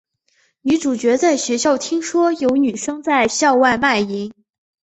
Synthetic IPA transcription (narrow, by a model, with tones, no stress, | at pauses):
ni˧˥ʈ͡ʂu˨˩t͡ɕɥɛ˧˥t͡sa˥˩ɪɕɥɛ˧˥ɕjɑ˥˩ʊt̪ʰi˥ŋʂwɔ˥jo˧˥ʊny˨˩ʂɤ˥ŋt͡sa˥˧ɪɕjɑ˥˧ʊwa˥˧ɪma˥˩ɪi˧˥ŋ